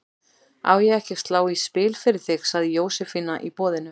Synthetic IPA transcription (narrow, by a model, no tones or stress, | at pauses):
a̰wjɛɣɛhcɪst̪laːwispɪːlfɪɾɪɾ̥θɪxsaðɪjoːwsɛfinːaʔipɔːðɪnʏ